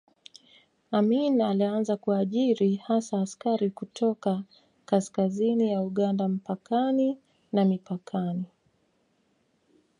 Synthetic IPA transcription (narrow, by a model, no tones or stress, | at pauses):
aminalianzakuaʄiɾihasaːskaɾikutʰɔka | kaskazinijauɠandam̩pakani | namipakʰani